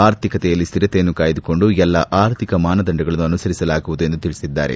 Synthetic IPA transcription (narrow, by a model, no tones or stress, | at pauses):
aːɾt̪ʰikɐt̪ɛjɐlːist̪iɾɐt̪ejɐnːukaːjid̪uko̞ɳɖuɛlːɐʔaːɾt̪ʰikɐmaːnɐd̪ɐɳɖɐɡɐɭɐnːuɐnusɐɾisɐlaːɡuʋud̪ue̞nd̪ut̪iɭisid̪ːa̰ːɾe̞̰